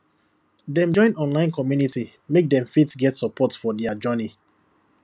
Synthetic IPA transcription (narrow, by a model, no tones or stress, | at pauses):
dɛ̃md͡ʒɔ̃ɪ̃nɔ̃nlãɪ̃nkɔmjuniti | mek̚dɛ̃ɱfitsɡɛtsɔpʰɔtfɔdɛad͡ʒɜni